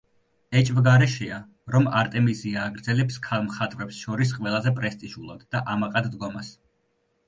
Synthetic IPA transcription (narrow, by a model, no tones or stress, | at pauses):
ɛt͡ʃʼvɡaɾɛʃɛa | ɾɔmaɾt̪ʼɛmiziaːɡɾd̪zɛlɛpskʰalˠmχat̪ʼvɾɛpsʃɔɾis̬qʼwɛlˠazɛpʼɾɛst̪ʼiʒulˠa̰d̪̥ːaʔamaqʼad̪d̪ɡɔmas